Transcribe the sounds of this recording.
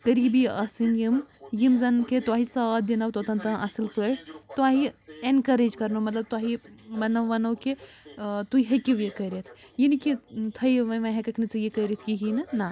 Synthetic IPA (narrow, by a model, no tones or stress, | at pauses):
kɐɾiːbiɐsinjimjimzɐnkʰet̪waːɦisaːt̪̚d̪inɐwt̪ot̪ɐnt̪ãːʔɐsɨlpəʈt̪uaːɦienkɐɾeːd͡ʒkɐɾnomɐt̪lɐb̚t̪uaːɦibɐnɐʋɐnoːke | t̪uiɦekiʋjekɐɾet̪ʰjinkit̪ʰɐjʋɐ̃ʋɐ̃ɦekɐkʰnɨt͡sɨjekɐɾit̪ʰkiɦinɨna